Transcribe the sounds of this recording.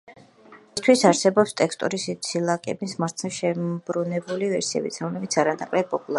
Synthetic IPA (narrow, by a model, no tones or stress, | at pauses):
st̪ʰwisaɾsɛbɔpst̪ʼɛkst̪ʼɔ̰ɾisit̪sʰilˠakʼɛbismaɾt̪sʃɛb̥ɾunɛbulivɛɾsiɛ̰bit̪sʰɾɔmlɛbit̪sʰaɾanakʼlɛb̚pʼɔpʼulˠa